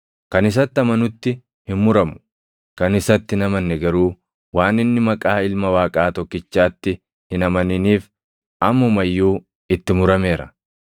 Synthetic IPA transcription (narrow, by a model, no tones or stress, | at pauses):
kɐnɪs̬ɐt̪ːɪɐmɐnʊt̪ːɪ | hɪmmʊɾɐmʊ̥ | kɐnɪsɐt̪ːɪnɐmɐnːɛɡɐɾuː | waːnɪnːɪmɐkʼaːɪlmɐwaːkʼaːt̪ɔkːɪt͡ʃːaːt̪ːɪ | hɪnɐmɐnɪniːf | ʔɐmːɐʊmɐjːuː | ɪt̪ːɪmʊɾɐme̞ːɾɐ̰